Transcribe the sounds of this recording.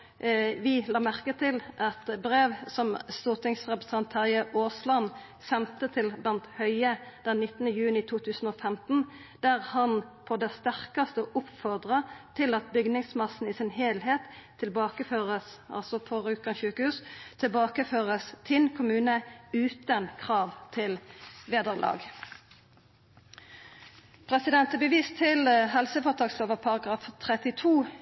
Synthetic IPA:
ʋɪlɑːmæʁkət̪ʰɪlʔɑt̪bɾeːʋsɔmst̪uːʁt̪ʰɪŋsʁɛpʁəsɑnt̪ʰːɑʁɪəʔoːslɑn | sɛnt̪ət̪ʰɪlblɑnt̪hœʏəd̪̥ɛnːɪt̪ːənəjʉːnɪt̪ʰuːt̪ʰʉːsn̩ofɛmt̪n̩ | d̪̥æʁhɑnpʰɔd̪ɛst̪æʁkɑst̪əʔʊpfɔʁd̪ʁɑt̪ʰɪlɑt̪̚bʏɡnɪŋsmɑsn̩ɪsɪnheːlheːt̪ʰː | ɪlbɑːkəføːʁəsʔɑ̰lsɔpʰɔʁʉːkɑnʃʉːkəhʉːst̪ʰɪlbɑːkəføːʁəst̪ʰɪnkʰʊmʉːnəʉːt̪ənkʰʁɑːʋt̪ʰɪlʋeːd̪əʁlʔɑ̰ːɡ | pʰʁɛsɪd̪ɛnt̪əbəʋiːst̪ʰɪlɦɛlsəfɔːʁt̪ʰɑːksloːʋəpʰɑʁɑɡʁɑːft̪ʰʁɛt̪ɪt̪ʰuː

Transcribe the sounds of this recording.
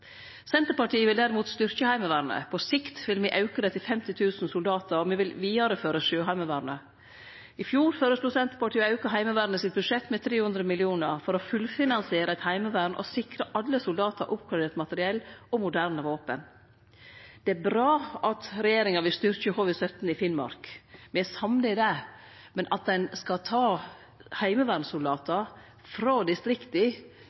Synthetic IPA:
sɛnt̪əɾpɑʈiːəʋɪld̪æɾɪmuːt̪st̪ʏɾçəhæɪməʋæːɾɳə̰pʰɔsɪkt̪ʋɪlmɛʔɑʉkəd̪ɛt̪ːɪfɛmt̪ɪt̪ʰʉːsn̩sʊld̪ɑːt̪əɾɔmiʋɪlʋiːɑɾəføːɾəʃøːɦæɪməʋæːɾɳə | ɪfjuːɾføːɾəslʊsɛnt̪ə̥ɾpɑʈʰiːəɑʉkəɦæɪməʋæːɾnəsɪt̪̚bʉʂɛt̪ːmɛt̪ʰɾeːhʉnd̪ɾəmɪlɪuːnəɾfɔɾɔfʉlfɪnɑnsɪeːɾəɛt̪hæɪməʋæːɾɳʔɔ̰sɪkɾəʔɑlːəsʊld̪ɑːt̪əɾʔʊp̚kʰɑd̪eːt̪mɑt̪əɾɪɛlːɔmʊd̪æɾnəʋoːpən | d̪̥ɛæɾbɾɑːɑt̪ɾɛjeːɾɪŋɑʋɪst̪ʏɾçəhoːʋɪsœt̪n̩ɪfɪnmɑ̰ɾkmɛæsɑmnəɪd̪ɛmɛnʔɑt̪̚d̪ɛnskɑt̪ʰɑː | hæɪməʋæːɾnsʊld̪ɑːt̪ə | fɾoːd̪ɪst̪ɾɪkt̪ɪ

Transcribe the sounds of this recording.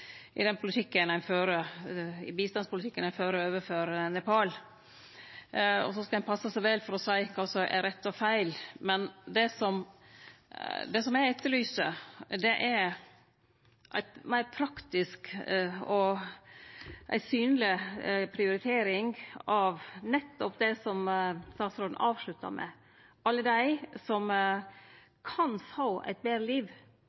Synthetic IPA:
ʔɪ̰d̪ɛnpʰʊlɪt̪ʰɪkːənæɪføːɾəɪ̰biːst̪ɑnspʰʊlt̪ʰɪkːənæɪføːɾəøːʋəɾføːɾənɛpʰɑːl | ɔ̰sɔskɑæɪnpʰɑsːəsæɪʋɛlfɔɾɔsæɪkʰɑsɔʔɛ̰ɾɛt̪ːɔfæɪlmɛnd̪ɛsɔm | d̪ɛsɔmæɛt̪ːəlyːsəd̪ɛʔæɾ | ʔæ̰ɪt̪mæɪɾpʰɾɑkt̪ɪskɔ | ʔæ̰ɪsyːnəlɪpʰɾɪʊɾɪt̪ʰeːɾɪŋɑʋnɛt̪ːɔpd̪ɛsɔmst̪ɑːsɾod̪n̩ʔɑːʋʂlʉt̪ːɑ̰ɾmʔɛ̰ | ʔɑlːəd̪æɪsɔm | kʰɑnfoːæ̰ɪt̪̚beːɾəliːʋ

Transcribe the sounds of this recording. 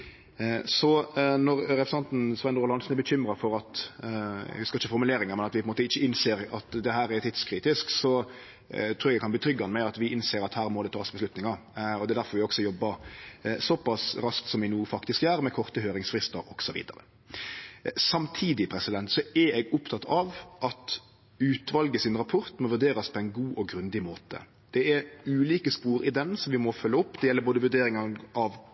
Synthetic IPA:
sɔnɔɾɾɛfsɛnt̪n̩sʋɛnɾʊlɑnsn̩ɛɾbəçʏmɾɑfɔɾɑt̪ | ɛ̰ɡʉskɪçːəfɔɾmʉleːɾɪŋəɾmɛnɑt̪ʋɪpʰɔɛmoːt̪əɪçːəɪnseːɾɑt̪d̪ɛɦæːɾɛt̪ʰɪd̪skʰɾiːt̪ɪsksɔ | t̪ʰuːɾɛɡɛɡkɑnb̪iːt̪ʰɾʏɡːɑnmæɪɑt̪ʋɪɪnseːɾɑt̪hæːɾmɔd̪ɛt̪ʰɑːsbəslʉt̪nɪŋɑɾ | ɔd̪ɛd̪æɾfɔɾʋɪɔɡsɔjɔbːəɾsɔpɑsɾɑsk̚t̪sɔmʋɪnuːfɑkt̪ɪskæːɾmɛkʰɔʁt̪əhøːɾɪŋsfɾɪst̪əɾɔɡ̥sɔʋḭːd̪ɑ̰ɾə̰ | sɑmt̪ʰiːd̪ɪpʰɾɛsɪd̪ɛnt̪sɔɛɛɡʊpt̪ʰɑt̪ːɑʋʔɑt̪ | ʉːt̪ʋɑlɡəsɪnʁɑpʰɔɾt̪mɔʋʉɾd̪eːɾɑspʰɔɛɪnɡuːʔɔɡɾʉnd̪ɪmoːt̪ə̰ | d̪̥ɛɛɾʉːliːkəspuːɾɪd̪ɛnsɔmʋɪmɔfœlːəʊpːd̪ɛjɛlːəɾboːd̪əʋʉd̪eːɾɪŋɑʔɑʋ

